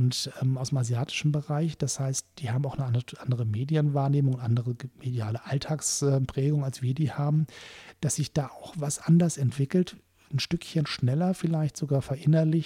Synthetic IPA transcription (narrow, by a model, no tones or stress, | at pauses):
ʊntʔɛmʔaʊsdemazjaːtʰɪ̥ʃn̩bəʁaɪçd̥ashaɪst̚d̥iːhaːbm̩aʊxnəʔaʔandəʁ̞əmeːdjənvaːɐneːmʊŋʊntʔandəʁəmedjaːləʔaltʰaːksʔɛːmpʁ̥ɛːɡʊŋalsv̥iːɐdiːhaːbm̩d̥asz̥ɪçd̥aːʔaʊxvasʔandɐsɛntv̥ɪkl̩t | n̩ʃtʏkçənʃnɛlɐfɪlaɪçtz̥oɡaːɐfɛɐʔɪnɐlɪç